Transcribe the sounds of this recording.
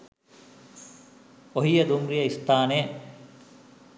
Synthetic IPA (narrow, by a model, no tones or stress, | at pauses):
oɦijɐd̪umɾijɐist̪aːne